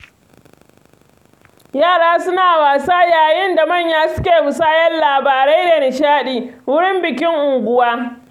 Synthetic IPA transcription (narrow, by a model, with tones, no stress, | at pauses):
jaː˦˨ɽaː˦sʊ˦naː˨waː˨saː˦jaː˨jɪ˦nda˨mɐ˦˨ɲjaː˦sʊ˦kʲeː˨mʊ˨saː˦jɛ˦nlaː˨baː˨ɾe˦jde˨nɪ˨ʃaː˦ɗiː˨wʊ˦ɽɪ˦mbɪ˨kʲɪ˦ŋʔʊ˨ŋɡʷʊ˦waː˦